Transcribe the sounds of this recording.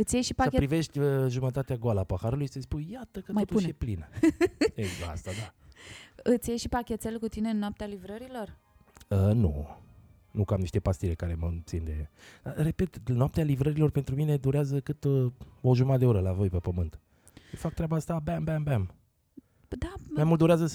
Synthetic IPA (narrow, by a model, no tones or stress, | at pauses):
ɨt̪sʲjeʃipaəpɾive̞ʃt̪ʲəʒumət̪at̪eaɡoalapəxaɾulujsəspujjat̪əkətot̪uʃeplinə | ezɡəa̰st̪ad̪a | ɨt̪sʲjejʃipakʲet̪selkut̪ine̞ɨnːoap̚t̪ealivɾəɾilo̞r | ənṵ | nukamniʃt̪e̞past̪ile̞kaɾe̞mət̪sind̪e̞d̪̥are̞pe̞t̪ɨnoap̚t̪ealivɾəɾilo̞rpent̪ɾumine̞d̪uɾeazəkɨt̪o̞ʒumad̪eoɾəlavo̞jpepəmɨnt̪ | ʃifak̚t̪ɾeabaast̪abæmbæmbæm | d̪amajmult̪d̪oɾeazəs